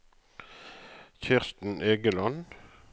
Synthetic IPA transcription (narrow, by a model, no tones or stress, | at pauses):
çɪʁst̪n̩ʔeːɡəlɑn